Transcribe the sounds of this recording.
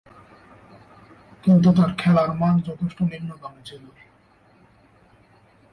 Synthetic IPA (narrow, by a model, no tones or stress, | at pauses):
kint̪̬ut̪̬aɾkʰɛlaɾmand͡ʑɔt̪ʰeʃʈoninːoɡ̪amed͡ʑelu